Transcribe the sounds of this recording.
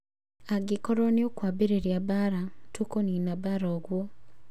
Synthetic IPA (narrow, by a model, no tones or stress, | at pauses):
aɡikoɾoneokwabeɾeɾjabaɾatukoninabaɾaɣwo